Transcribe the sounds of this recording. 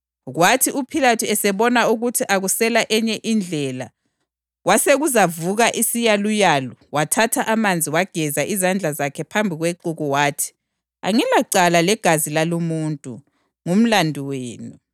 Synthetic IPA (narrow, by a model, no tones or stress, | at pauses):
ɣwatʰiupʰilatʰuɛsɛβɔnauɣutʰiʔaɣusɛlaʔɛɲɛʔind͡ɮʱɛla | waseɣuzavuɣaʔisijalujaːlɔwatʰatʰaʔamand͡zʱiwaɡ̥ʱɛzaʔizand͡ɮʱazakʰɛpʰambʱiɣweǃuɣuwaːtʰi̥ | a̰ŋɛlaǀalalɛɡ̥ʱazilalumuntʼṵ | ŋum̩landʱiweːnu